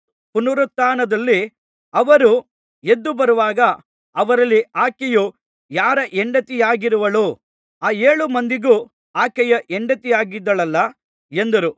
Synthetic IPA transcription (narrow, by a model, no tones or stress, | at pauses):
punuɾut̪ːaːnɐd̪ɐlːi | ɐʋɐɾu | ed̪ːubɐɾuʋaːɡɐː | ʋɐɾɐlːiaːkɛju | jaːɾɐʔɛɳɖɐt̪ijaːɡiɾuʋɐɭuː | aːeːɭumɐnd̪iɡu | aːkɛjɐʔeɳɖɐt̪ijaːɡid̪ːɐɭɐlːɐ | end̪ɐɾu